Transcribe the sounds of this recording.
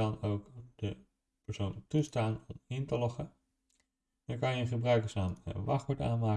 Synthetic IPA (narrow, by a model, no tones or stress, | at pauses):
ɑnowkd̥ə | pəɹsowntustaːnɔmɪntəlɔχə | dakɑnjəχəbrœɥkəsaːnə̰ʋɑχʋəɹta̰ːnmaː